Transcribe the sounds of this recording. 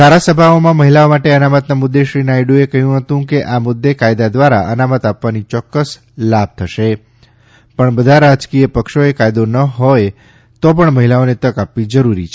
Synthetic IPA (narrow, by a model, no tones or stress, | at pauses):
d̪ʱaɾasəbʱaomãməɦilaomaʈeənamət̪namʊd̪ːeʃɾinajɖuekəɦjũɦət̪ũkeʔamʊd̪ːekajd̪ad̪ʋaɾa̰ʔənamət̪apʋanit͡ʃɔkːəs | lab̚ʱt̪ʰəʃe | pəɳbəd̪ʱaɾad͡ʒkijəpəkʃoekajd̪onəɦoj | t̪op̬əɳməɦilaonet̪əkapʋid͡ʒəɾuɾit͡ʃʰ